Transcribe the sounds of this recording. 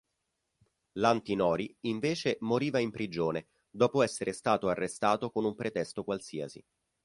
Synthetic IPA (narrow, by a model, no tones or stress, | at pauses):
lant̪inɔːɾiiɱveːt͡ʃemoɾiːvaimpɾid͡ʒoːne | d̪ɔːpoɛsːeɾʔest̪aːt̪oarːest̪aːt̪okonumpɾet̪ɛst̪okwalsiːa̰sḭ